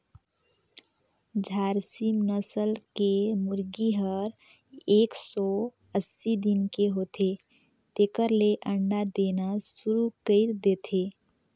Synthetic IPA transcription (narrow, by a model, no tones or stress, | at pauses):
d͡ʒʱaːɾsimnəsəlkemʊɾɡiɦəɾ | eːksɔ | əsːid̪ɪnkeɦot̪e | t̪eːkəɾleʔə̃ɳɖad̪eːnasʊɾukəɪɾd̪eːt̪ʰeː